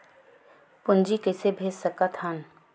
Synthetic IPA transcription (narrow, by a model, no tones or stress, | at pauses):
pʊnd͡ʒikɛsebʱeːd͡ʒsəkat̪ʰhɐn